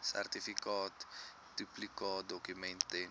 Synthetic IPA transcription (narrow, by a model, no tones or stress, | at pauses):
sɛ̰rt̪ifikɔːt̪ | d̪̥yplikɔd̪okymɛ̃nt̪e